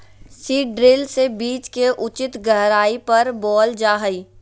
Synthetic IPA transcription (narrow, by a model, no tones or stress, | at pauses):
siːɖɾɪlsebiːt͡ʃkeʔʊt͡ʃɪt̪ɡʱɐɦɾaːipɐɾbɔːld͡ʒaːɦəiː